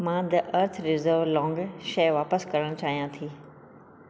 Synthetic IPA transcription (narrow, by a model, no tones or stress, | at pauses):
mãd̪ɐʔɐɾt̪ʰɾɪzəɾʋlɔ̃ːŋɡʃɐjʋaːpəskɐɾəɽ̃t͡ɕaːɦijãt̪ʰiː